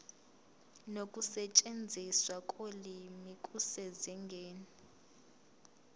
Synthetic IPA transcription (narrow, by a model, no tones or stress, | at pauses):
nokʼusɛt͡ʃʼend͡zʱiswakʼolimikʼusɛziŋɡʱɛːnɛ